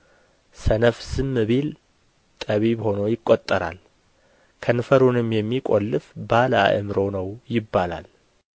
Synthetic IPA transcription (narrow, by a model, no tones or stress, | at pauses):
sənəfsɨmːɨβel | t̪ʼəβibho̞nojɪkʼːot̪ʼːəɾa̰l | kʰənfəɾunɨmjɛmːikʼolːɨfbaləa̰ʔɨ̰mɾo̞wnəwjɪbːala̰l